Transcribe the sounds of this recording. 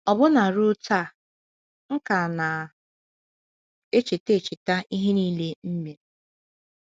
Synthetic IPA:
ɔ˨bʊ˦na˨ɾʊ˦ta˦˨ | ŋ̩˦ka˨na˨ | e˦t͡ʃi˨te˦˨t͡ʃɪ˨ta˦ʔi˦ɦe˦niː˦le˦m̩˦me˨˦

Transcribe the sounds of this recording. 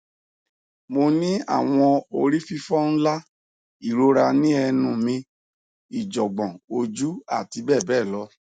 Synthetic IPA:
mo˧nĩ˦a̰˦˨w̃ɔ̃˧o˧ɾi˦fi˦fɔ˦ñ̩˦la˦ | i˦˨ɾo˨˦ɾa˧nĩ˦ɛ˧nũ˨mĩ˧ | i˨d͡ʒɔ˨ɡ͡bɔ̃˨o˧d͡ʒu˦a̰˦˨ti˧˦bɛ˦˨bɛː˦˨lɔ˧˦

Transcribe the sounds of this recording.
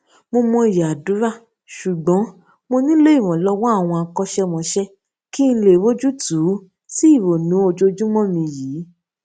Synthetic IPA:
mo˧mɔ̃˧i˨ja˨a˨dũ˨˦ɾa˦˨ | ʃu˨ɡ͡bɔ̃˨˦ | mo˧nĩ˦le˦i˦˨w̃ɔ̃˨lɔ˦wɔ˦a˦˨w̃ɔ̃˧a˧kɔ˧˦ʃɛ˦mɔ̃˧ʃɛ˦ | ki˦n̩˧le˨wo˦d͡ʒu˦tu˨˦ | ti˦i˦˨wo˨nũ˨˦o˧d͡ʒo˧d͡ʒu˦mɔ̃˦˨mĩ˧jiː˨˦

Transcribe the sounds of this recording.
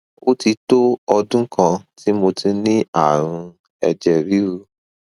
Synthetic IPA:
o˦ti˧to˦ɔ˧dũ˦kã˧tʰi˦mo˧ti˧nĩ˦a˦˨ɾ̃ũ˧ | ɛ˧d͡ʒɛ˦˨ɾi˨˦ɾu˧˦

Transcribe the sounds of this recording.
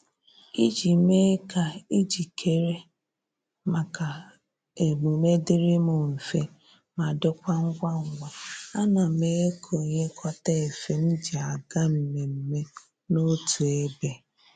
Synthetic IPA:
i˦d͡ʒi˨me˦ka˨i˦d͡ʒi˨kʰe˨ɾe˦ | ma˨ka˨ | e˨mu˨me˦dɪ˦ɾɪ˦mʊ˨m̩˨fe˦ | ma˨dʊ˦kʷa˦ŋ̩˦ɡʷa˦ŋ̩˨ɡʷa˨a˦na˨me˦e˦kʰo˨ɲe˦kʰɔ˦ta˦e˨fe˨n̩˦d͡ʒi˨a˨ɡa˦m̩˨me˨m̩˨me˦ | no˦tu˨e˦be˨

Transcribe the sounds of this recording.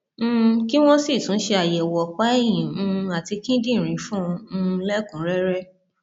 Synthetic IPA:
ki˦w̃ɔ̃˦si˦˨tũ˨˦ʃe˧a˨jɛ˨wɔ˨k͡pa˦ɛ˦˨jĩ˨˦ũ˧a˨ti˧kĩ˦dĩ˦˨ɾ̃ĩ˨˧˦fũ˦˧lɛ˦kũ˨˦ɾɛ˦ɾɛ˦

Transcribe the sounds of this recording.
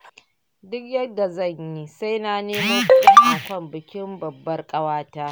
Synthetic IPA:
dʊ˦kjɐ˦dːa˨zɐ˦˨ɲji˦sa˦jnaː˨neː˦mɐ˦mɸʊ˦tʲɪ˦nʔa˨kʷɐ˦˨mbɪ˨kʲɪ˦mbɐ˨bːɐ˦rkʼɐ˦waː˦taː˦

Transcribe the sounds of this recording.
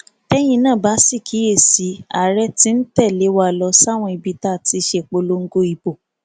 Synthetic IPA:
tɛ˦j̃ĩ˧nãː˦˨ba˨˦si˦˨kʰi˨˦e˦˨si˨˦a˨ɾɛ˦ti˦n̩˦tɛ˦˨le˨˦wa˦˨lɔ˧sa˦˨w̃ɔ̃˧i˧˨bi˨˧ta˦˨ti˨˧ʃe˧˨k͡po˧lo˦ŋ̩˦ɡo˧˦i˧bo˨

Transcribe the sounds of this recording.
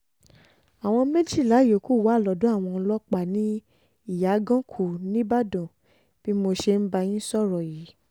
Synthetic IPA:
a˨w̃ɔ̃˧mẽ˦d͡ʒi˦˨la˨˦jo˨˦˨ku˦˨wa˨˦˨lɔ˨˦dũ˦a˦˨w̃ɔ̃˧lɔ˦k͡pa˦˨nĩ˦ | i˦˨ja˨˦ɡã˦kʰu˦˨nĩ˦ba˦dɔ̃˨ | b̥i˦mo˧ʃe˧n̩˦ba˧j̃ĩ˦sɔ˦˨ɾɔ˨ji˨˦

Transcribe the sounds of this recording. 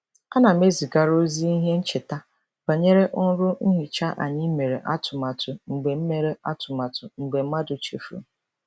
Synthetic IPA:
a˦na˨me˦zi˨ɡa˨ɾo˦zi˦i˦ɦe˦n̩˦t͡ʃe˨ta˦ | b̥a˨ɲe˦ɾe˦ʔʊ˦ɾʊ˦n̩˦ɦi˨t͡ʃa˦ʔa̰˨ɲɪ˦me˨ɾe˨ʔa˦tʰʊ˨ma˨tʰʊ˨ŋ͡m̩˨ɡ͡be˨m̩˦me˨ɾe˦ʔa˦tʊ˨ma˨tʊ˨ŋ͡m̩˨ɡ͡be˨m̩˦ma˦dʊ˨t͡ʃḛ˨fṵ˨

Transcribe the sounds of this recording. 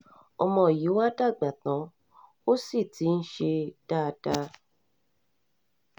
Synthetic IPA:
ɔ˧mɔ̃˧˨ji˨˦wa˦da˦˨ɡ͡ba˨tã˨˦ | o˦si˦˨ti˨˦n̩˦ʃe˧d̥a˦˧da˧

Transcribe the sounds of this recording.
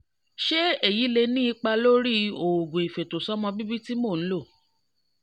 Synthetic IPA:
ʃe˦e˦˨ji˨˦le˧nĩ˦i˧˦k͡pa˧lo˦ɾi˦o˨o˨ɡo˨i˨fe˨to˨sɔ˦mɔ̃˧bi˦bi˦ti˦mo˦˨ñ̩˦lo˦˨

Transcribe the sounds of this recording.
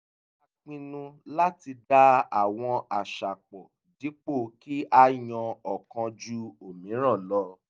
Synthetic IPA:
a˧k͡pĩ˧nũ˧la˦ti˧da˦a˨w̃ɔ̃˧a˨ʃa˨k͡pɔ˨ | di˨˦k͡po˦˨ki˦ʔa˦jɔ̃˧ɔ˨kã˧d͡ʒu˦o˨mĩ˨˦ɾ̃ã˦˨lɔ˧˦

